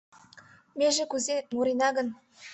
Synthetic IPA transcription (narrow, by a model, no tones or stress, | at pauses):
mʲeʒɘ̆kuzʲemuɾinɑɡɤ̆n